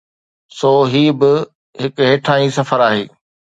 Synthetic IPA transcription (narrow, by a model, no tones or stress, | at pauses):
soːɦiːbɪ | ɦɪkɦeːʈʰaːĩːsɐfəɾaːɦḛː